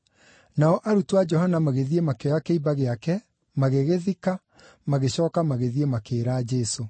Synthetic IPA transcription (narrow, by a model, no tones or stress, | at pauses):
naɔʔaɾutuwad͡ʒɔɦanamaɣeðiemakeɔakeibaɣeakɛ | maɣeɣeðika | maɣeɕɔːkamaɣeðiemakeːɾaːd͡ʒɛso